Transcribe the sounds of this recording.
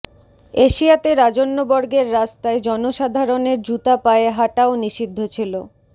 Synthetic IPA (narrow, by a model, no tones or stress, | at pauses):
eʃiat̪eɾad͡ʑonːobɔɾɡeɾːast̪aed͡ʑɔnoʃad̪ʱaɾoneɾd͡ʑut̪apaeɦaʈaoniʃid̪ʱːot͡ɕʰilo